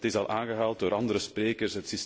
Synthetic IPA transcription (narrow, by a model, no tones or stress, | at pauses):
tɪsɑlˠʔaːnɣəɦaːlˠt̚doːɾɑnd̪əɾəspreːkərsɦətsis